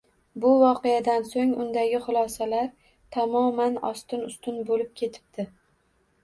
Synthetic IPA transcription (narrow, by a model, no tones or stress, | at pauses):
bʊvɒqejad̪ansoŋʊnd̪aɡʲɪχʊlˠɒsalaɾ | t̪ʰamɒmanɒ̰st̪ɪnʊst̪ɪnbolɪp̚kʲʰe̞t̪ʰɪ̥p̚d̪̥ɪ